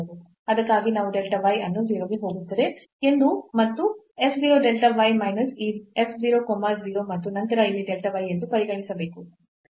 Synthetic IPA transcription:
du | ɐd̪ɐkːaːɡinaːʋuɖelʈɐʋɐjɐnːuziːɾoːɡeɦo̞ːɡut̪ːɐd̪e̞ | end̪umɐt̪ːu | epʰziːɾoːɖelʈɐʋɐjmɐjnɐsiːepʰd͡ʒiːɾokɔmːɐziːɾo̞mɐt̪ːunɐnt̪ɐɾɐiʋiɖelʈɐʋɐje̞nd̪upɐɾiɡɐɳisɐbeːku

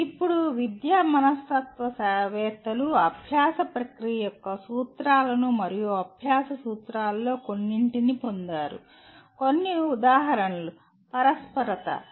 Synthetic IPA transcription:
ipːuɽuʋid̪jaːmɐnɐstɐt̪ʋɐsɐːʋɛːt̪ɐluɐbʱjaːsɐpɾɐkɾijɐjɔkːɐsuːt̪ɾaːlɐnumɐɾijuɐbʱjaːsɐsuːt̪ɾaːlɐlo̞ːko̞nːiɳʈinipo̞nd̪aːɾṵ | ko̞nːiud̪aːɦɐɾɐnɐlu | pɐɾɐspɐɾɐt̪ɐ̰

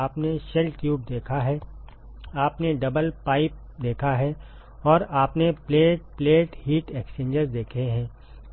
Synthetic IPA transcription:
aːpneʃɛlʈjuːb̚d̪eːkʰaɦɛː | aːpneɖɐbəlpaːɪp̚ | d̪eːkʰaɦɛ | ɔːɾaːpnepleːʈpleːʈhiːʈɛːkt͡ʃẽːɲd͡ʒəɾzd̪eːkʰeɦɛ̃ː

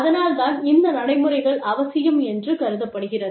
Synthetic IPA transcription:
ɐðɐnaːlt̪aːnɪnd̪ɐnɐɽɐɪmɯrɐɪɣɐɭɐʋɐsɪjɐmɛndrɯkɐɾɯðɐpːɐɽɯɣɪrɐð

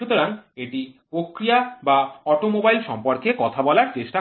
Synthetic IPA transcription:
ut̪oɾaŋeʈipɾokɾijabaɔʈomobajlʃɔmpoɾkekɔt̪ʰabɔlaɾt͡ɕeʃʈa

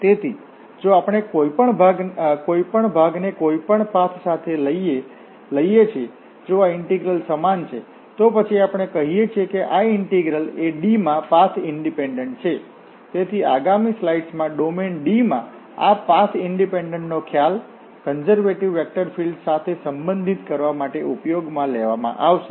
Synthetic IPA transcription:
t̪et̪ʰi | d͡ʒoapəɽ̃ekoipəɳbʱaɡkoipəɳbʱaɡnekoipəɳpãt̪ʰsat̪ʰeləie | ləijet͡ʃʰe | d͡ʒoaɪɳʈiɡɾəlsəmant͡ʃʰe | t̪opət͡ʃʰiapəɽ̃ekəɦijet͡ʃʰiekeʔaɪɳʈiɡɾəleɖimãpasʰɪɳɖipeɳɖəɳʈ̚t͡ʃʰe | t̪et̪ʰiaɡamislaiɖsmãɖomenɖimã̰ | a̰pasʰɪɳɖipeɳɖəɳʈnokʰjal | kənzəɾʋeʈiʋːɛk̚ʈəɾfilɖsat̪ʰesəmbə̃nd̪ʱit̪kəɾʋamaʈeʔupjoɡmãleʋamã̰ʔaʋʃe̥

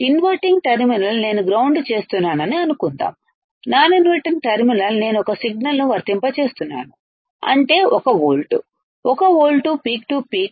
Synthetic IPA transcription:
inʋɐɾʈiŋɡʈɐɾminɐlne̞ːnuɡɾɐwɳɖt͡ʃe̞ːst̪unːaːnɐniɐnukunt̪a̰ːm | naːninʋɐʈiŋɡ̚ʈɐɾminɐlne̞ːnuɔkɐsiɡ̚nɐlnuʋɐɾt̪impɐt͡ʃe̞ːst̪unːa̰ːnu | ɐ̰ɳʈe̞ːʔɔkɐʋoːlʈṵ | ɔkɐʋoːlʈupiːkʈupiːk̚

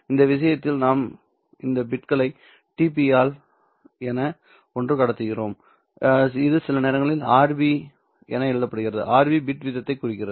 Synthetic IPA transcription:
ɪnd̪ɐʋɪʂ̬ɐjɐt̪ːɪlnaːm | ɪnd̪ɐbɪʈkɐɭɐɪ | ʈiːp̬iaːl | ɛnɐ | ɔndrɯkɐɽɐt̪ːɯɣɪɾoːm | ɪðɯsɪlɐneːɾɐŋɡɐɭɪlaːɾbi | ɛnɐɛɻɯðɐpːɐɽɯɣɪɾɐðɯ̰ʔaːɾbibɪʈʋɪðɐt̪ːɐɪkːʊrɪk̬ːɪɾɐðɯ

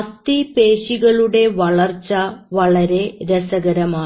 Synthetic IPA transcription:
ɐst̪ipe̞ːɕiɣɐɭuɽe̞ʋɐɭɐrt͡ɕːɐʋɐɭɐɾe̞ɾesɐɣɐɾɐmaː

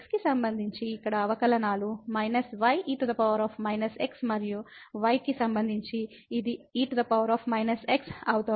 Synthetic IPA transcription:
ekskisɐmbɐnd̪ʱiɲt͡ʃiːkːɐɽɐːʋɐkɐlɐnaːlumɐjnɐsʋɐjiːʈd̪ɐpɐʋɐɾaːpʰmɐjnɐseksmɐɾijuʋɐjkisɐmbɐnd̪ʱiɲt͡ʃiː | d̪iiːʈd̪ɐpɐʋɐɾaːpʰmɐjnɐseksɐwut̪ɐ

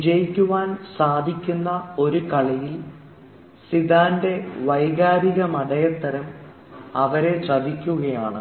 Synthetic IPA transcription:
d͡ʑɐjikʲːuʋaːnsaːd̪ʱikʲːunːɐo̞ɾukɐɭɐjil | sid̪aːnde̞ʋɐjɣaːɾiɣɐmɐɽɐjɐt̪ːɐɾɐm | ɐʋɐɾe̞sɐb̪ikʲːuɣɐjaːɳɨ

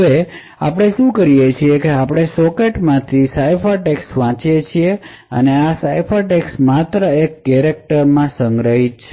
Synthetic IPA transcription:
ʋe | a̰pəɽ̃eʃũkəɾijet͡ʃʰiekeapɽ̃esɔkeʈmãt̪ʰisajpʰəɾʈeksʋãt͡ʃjet͡ʃʰie | əneasajpʰəɾʈeksmat̪ɾəekːɛɾek̚ʈəɾmãsəŋɡɾəɦit̪t͡ʃ

